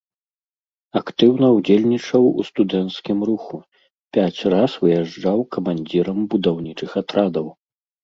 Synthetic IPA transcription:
akt̪ɨwnɐwd͡zʲelʲnʲit͡ʂɐwṵst̪ud̪ɛnt̪skʲimruxu | pʲat͡sʲrasvɨjaʐd͡ʐawkɐmanʲd͡zʲiɾɐmbud̪awnʲit͡ʂɨxat̪ɾad̪ɐw

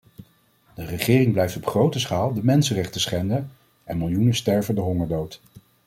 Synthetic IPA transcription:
d̥ərəχɪːrɪŋblɛjftɔpχrowtəsχaːlˠdəmɛnsərɛχtəsχɛndə | ʔɛnmɪlˠjunəstɛɹvəndəɦɔŋəɹdowt

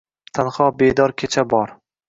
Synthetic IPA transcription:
t̪ʰanχɒbed̪ɒɾkʲʰet͡ʃʰabɒɾ

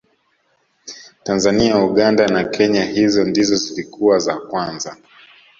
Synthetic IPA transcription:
tanzaniauɠandanakɛɲahizɔndizɔzilikuwazakwanza

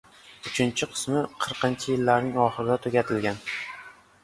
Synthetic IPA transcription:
ʊt͡ʃʰɪnt͡ʃʰɪqʰɨ̥smɪqʰɨɾqʰɪnt͡ʃʰɪjɪlːaɾnɪŋɒχɨɾɪd̪ʲat̪ʰɵɡʲat̪ʰɪlɡʲan

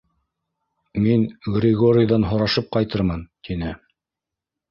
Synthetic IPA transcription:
minɡrʲɪɡoɾʲɪjd̪ɑnɦŏɾɑʃɤp̚qɑjt̪ɤɾmɤnt̪inɘ

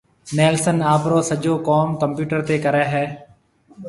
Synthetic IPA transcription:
nɛːlsənaːpɾoːsəd͡ʒoːkɔːmkəmpjuːʈəɾt̪eːkəɾɛːɦɛː

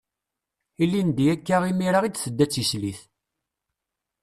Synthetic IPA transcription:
ilːind̪jækːaʁimiɾaʁid̪θəd̪ːæt͡sːisliθ

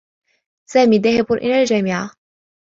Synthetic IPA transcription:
saːmiːðaːhɪbʊnʔɪ̰lald͡ʒaːmiʕa

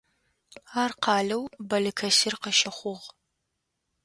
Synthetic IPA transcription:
aːrqɑːɮɐwbɐlɨkʰɐsɪrqəʃɐχʷʊʁ

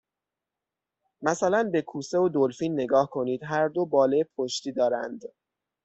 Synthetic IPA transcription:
mæsælænbe̞kʰuːse̞od̪olfiːnːe̞ɡɒːhkʰo̞niːd̪ɦæɾd̪o̞bɒːleepʰoʃt̪iːd̪ɒːɾæ̰nd̪

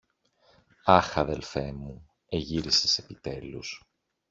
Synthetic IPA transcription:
ɐxɐðe̞lfe̞mu | e̞ʝiɾisese̞pit̪e̞lus

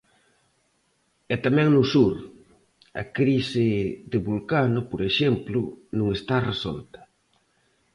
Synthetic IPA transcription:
ɛt̪amɛ̃ŋnʊsuɾ | ɐ̰kɾisɪðɪβulkanʊpoɾeʃɛmplʊnũŋest̪aresɔ̰lt̪ɐ̥

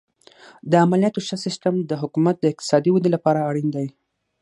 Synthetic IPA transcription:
d̪əamalijɑt̪oʃɑsɪsʈamd̪əɦʊkumat̪̚d̪əɪq̚t̪ɪ̥sɑd̪iwad̪elapɑɾaːɽind̪ai

